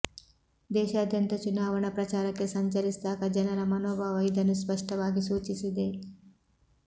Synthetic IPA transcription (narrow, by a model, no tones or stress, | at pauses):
d̪eːʃaːd̪ʱjɐnt̪ɐt͡ʃunaːʋɐɳ̃ɐpɾɐt͡ʃaːɾɐkːesɐɲt͡ʃɐlisd̪aːkɐd͡ʒɐnɐɾɐmɐnoːbʱaːʋɐid̪ʱɐnːuspɐʂʈɐʋaːɡisuːt͡ʃisud̪e